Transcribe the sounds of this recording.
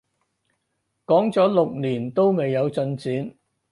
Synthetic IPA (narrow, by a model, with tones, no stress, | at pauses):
kɔː˨˥ŋt͡sɔː˨˥lʊ˨k̚liː˨˩nt̪o˥wme˨jːɐ˨˧wt͡sɵ˧nt͡siː˨˥n